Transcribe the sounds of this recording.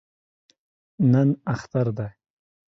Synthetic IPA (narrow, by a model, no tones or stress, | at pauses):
nənaxt̪aɾd̪aj